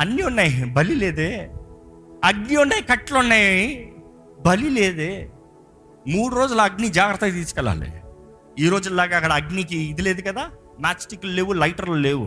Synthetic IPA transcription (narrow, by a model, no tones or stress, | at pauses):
ɐnːiunːaːjibɐlileːd̪eː | ɐɡniuɳɖaːjkɐʈːlunːaːji | bɐlile̞ːd̪eː | muːɽuɾo̞ːd͡ʒulɐɐɡnid͡ʒaːɡɾɐt̪ːɐɡt̪iːsu̥kɛla̰ːlḭ | iːɾo̞ːd͡ʒuilːaːɡaɐkːɐɽɐɐɡnikiːd̪ile̞ːd̪ukɐd̪aː | maːsʈiklule̞ːwulɐjʈɐɾlule̞ːwṵ